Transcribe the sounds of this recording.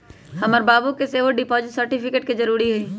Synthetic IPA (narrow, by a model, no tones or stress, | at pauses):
hɐməɾbaːbukeseːʋəɖɪpɔːd͡ʒɪʈsɐɾʈɪpʰɪkeːʈ̚ked͡ʒɐɾuːɾiɦɛː